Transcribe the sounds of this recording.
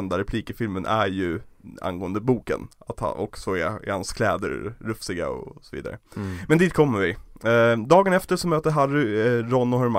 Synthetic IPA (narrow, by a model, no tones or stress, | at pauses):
ɛnd̪aɾɛpʰliːkəfɪlmənʔæɾjɵa̰nɡoːənd̪əbuːkə̰nat̪ha̰ʔɔksɔɛɛ̰ɾhanskʰlɛːd̪ə̰ɾːɵfsɪɡa̰ɔ̰sɔvḭːd̪aɾʔə̰mɛnd̪iːt̪kʰɔmːəɾvɪ | d̪ɑːɡənɛft̪əʂɔmøːt̪əɾɦaɾʏɾɔnːʊhœɾma